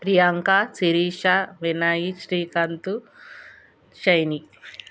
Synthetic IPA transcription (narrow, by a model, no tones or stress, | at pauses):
pɾijaŋkasiɾiːʃaʋinaːjiʃɾiːkɐnt̪u | ʃɐjni